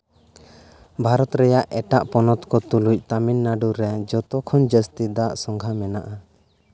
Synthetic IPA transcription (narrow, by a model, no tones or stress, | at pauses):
bʱaɾɔt̪ɾɛjaʔɛʈaʔpɔnɔt̪kɔt̪uluc̚ˀt̪aminːaɖuɾɛd͡ʒɔt̪ɔkʰɔnd͡ʒəst̪id̪aʔsɔŋɡʱamɛnaʔa